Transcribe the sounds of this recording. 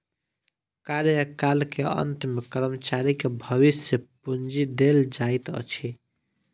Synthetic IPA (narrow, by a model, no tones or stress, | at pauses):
kaɾjəkalkeə̰nt̪mekəɾəmət͡ʃaɾikebʱəʋisjəpund͡ʒid̪eld͡ʒait̪ə̰t͡ʃʰi